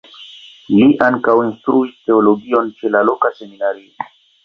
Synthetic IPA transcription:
liʔaŋkawinstɾuiste̞olo̞ɡio̞nt͡ʃe̞lalo̞kase̞minaɾio

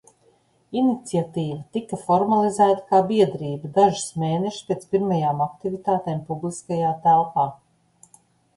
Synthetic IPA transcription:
init̪siat̪iːvɐt̪ikɐfɔɾmalˠizæːt̪ḁkaːbiɛd̪ɾiːbɐd̪aʒi̥smeːneʃi̥spʲeːt̪spiɾmajaːmakt̪ivit̪aːt̪eːmpublˠiskajaːt̪ælˠpaː

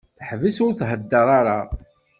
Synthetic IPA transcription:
θħvisʊɾθɦəd̪ːəɾˤaɾa̰

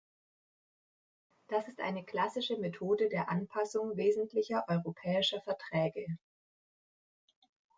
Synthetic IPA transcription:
d̥asɪstʔa̰ɪnəkl̥asɪʃəmetʰoːdədeːɐʔanpʰasʊŋveːzn̩tʰlɪçɐʔɔʏʁopʰɛːɪʃɐfɛɐtʁ̥ɛːɡə

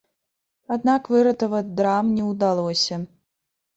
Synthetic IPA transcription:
ad̪nakvɨɾɐt̪əvɐt͡sʲd̪ɾamnʲɛwd̪alˠɔsʲɐ

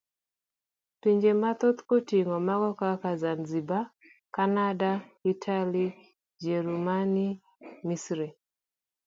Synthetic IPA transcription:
tiɲd͡ʒemat̪ot̪kotiŋɔmakɔkakazanziba | kanadaitʰali | d͡ʒɛɾumani | misɾɛ

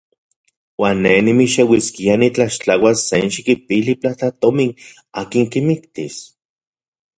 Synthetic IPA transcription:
waːnːenimiʃewiskianit͡ɬaʃt͡ɬawasːenʃikip̚iliplat͡ɬat̪omin | aːkiŋkimikt̪is

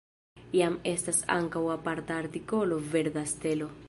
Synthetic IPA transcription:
jame̞stasa̰ŋkawapaɾtaːɾtiko̞lo̞ve̞ɾdaste̞lo̞

